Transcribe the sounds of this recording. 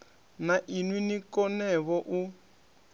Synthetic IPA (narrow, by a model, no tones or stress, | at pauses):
naʔinwinikɔnɛβɔʔu